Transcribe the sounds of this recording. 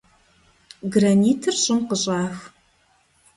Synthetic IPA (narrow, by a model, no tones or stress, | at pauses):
ɡraniːtʰɨrɕʼɪmqəɕʼaːx